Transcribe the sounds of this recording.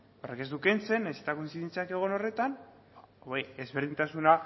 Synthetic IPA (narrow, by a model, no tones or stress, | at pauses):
o̞reke̞zd̪ukent͡se̞nːajset̪ako̞insiðent͡seake̞ɣ̞o̞no̞re̞t̪an | baoeezβe̞ɾðint̪asuna